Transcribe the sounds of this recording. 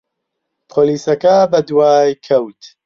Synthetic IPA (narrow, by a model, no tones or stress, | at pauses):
pʰoːliːsɐkɐbɐd̪waːjkʰɐwt̪